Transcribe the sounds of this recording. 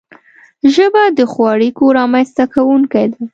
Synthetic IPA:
ʒəbad̪əxwɑɽikoɾɑmanst̪akawuŋkajd̪a

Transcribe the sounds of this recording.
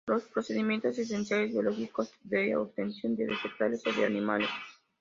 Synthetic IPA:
ɾos̚pɾot͡ʃed̪imint̪as̬ist̪ent̪sialid̪ieloɡikost̪vḛob̚t̪ent̪siund̪eɾespek̚t̪aɾesawd̪ea̰nimale

